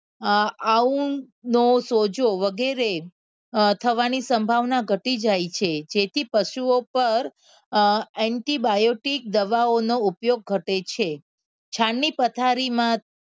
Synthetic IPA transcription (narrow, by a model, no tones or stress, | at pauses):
aũ | nosod͡ʒoʋəɡeɾe | t̪ʰəʋanisəmbʱaʋnaɡʱəʈid͡ʒajt͡ʃʰed͡ʒet̪ʰipəʃuopəɾ | ɛɳʈibajoʈik̚d̪əʋaonoupjoɡ̚ɡʱəʈet͡ʃʰe | t͡ʃʰaɳːipət̪ʰaɾimã